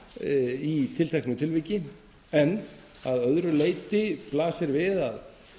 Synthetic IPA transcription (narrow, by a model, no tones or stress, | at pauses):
it̪ʰɪlt̪ʰɛknʏt̪ʰɪlvicɪ | ɛnː | aðœðɾʏleːjt̪ɪplaːsɪɾvɪðað